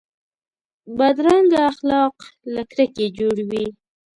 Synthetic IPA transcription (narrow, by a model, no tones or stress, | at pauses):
bad̪ɾaŋɡaxlɑqlakɾəked͡ʒoɽwi